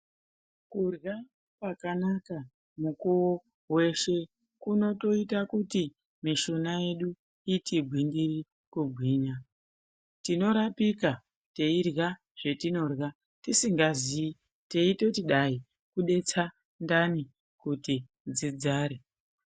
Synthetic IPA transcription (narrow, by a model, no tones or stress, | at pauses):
kurɣa | pakanaka | mukuwo | we̞ʃe̞ | kuno̞to̞itakuti | miʃonaje̞ɗu | itiɡʱwindiri | kuɡʱwiːɲa | tino̞ɾapika | te̞irɣa | ʐ̥e̞tino̞rɣa | tisiŋɡazi | te̞ito̞tiɗai | kuɗe̞t͡sa | ndani | kuti | d͡zid͡zaːɾe